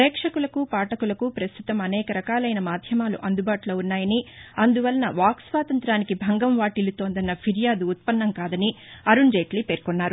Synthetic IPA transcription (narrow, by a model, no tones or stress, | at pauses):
ɾɛːkʂɐkulɐkupaːʈɐkulɐkupɾɐst̪ut̪ɐmɐnɛːkɐɾɐkaːlɐjnɐmaːd̪ʱjɐmaːlṵʔɐnd̪ubaːʈulo̞ːunːaːjɐniɐnd̪uʋɐlɐnɐʋaːksʋaːt̪ɐnt̪ɾaːnikibʱɐŋɡɐmʋaːʈilut̪oːnd̪ɐnːɐpʰiɾijaːd̪uːt̪̚pɐnːɐmkaːd̪ɐni | ɐɾuɳd͡ʒeːʈliːpeːɾkɔnːaːɾu